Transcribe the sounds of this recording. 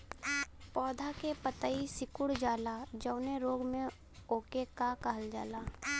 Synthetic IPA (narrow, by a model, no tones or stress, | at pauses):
pɔːd̪ʱakepət̪əisɪkʊɽd͡ʒaːlad͡ʒəʊneɾoːɡmẽ | oːkekakəɦəld͡ʒa̰ːlaː